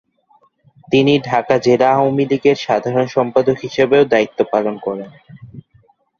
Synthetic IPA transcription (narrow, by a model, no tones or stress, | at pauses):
t̪iniɖʱakad͡ʑelaawmiliɡeɾʃad̪ʱaɾonʃɔmpad̪okɦiʃebeod̪ait̪ːopalonkɔɾen